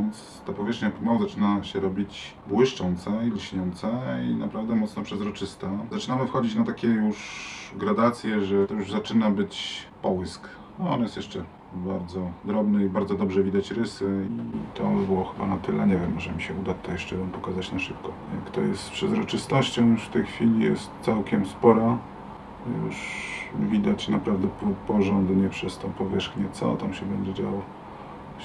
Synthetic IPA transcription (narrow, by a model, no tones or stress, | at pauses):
nt̪s | t̪apɔvʲjɛʂxɲamawɔzat͡ʂɘnaɕɛɾɔbʲit͡ɕ | bwɘʂt͡ʂɔnt̪sailɕɲɔnt̪sainapɾavd̪ɛmɔt̪snɔpʂɛzɾɔt͡ʂɘst̪azat͡ʂɘnamɘfxɔd͡ʑit͡ɕnat̪akʲɛjuʂɡɾad̪at̪sʲjɛʐɛt̪ɔjuʐzat͡ʂɘnabɘt͡ɕpɔwɘsk | nɔɔnjɛst̪jɛʂt͡ʂɛ | baɾd̪zɔd̪ɾɔbnɘibaɾd̪zɔd̪ɔbʐɛvʲid̪at͡ɕɾɘsɘit̪ɔbɘwɔxɘba̰nat̪ɘlɛɲɛvʲjɛmːɔʐɛmʲiɕɛud̪at̪ːɔjɛʂt͡ʂɛvɔmpɔkazat͡ɕnaʂɘp̚kɔ | jakt̪ɔjɛst̪pʂɛzɾɔt͡ʂɘst̪ɔɕt͡ɕɔ̃w̃juʂft̪ɛjxfʲilʲijɛ̰st̪t̪sawkʲɛmspɔɾa | jṵʂvʲid̪at͡ɕnapɾavd̪ɛpupɔʐɔnd̪ɲɛpʂɛst̪ɔpɔvʲjɛʂxɲɛt̪sɔ̰t̪amɕɛbɛɲd͡ʑɛd͡ʑawa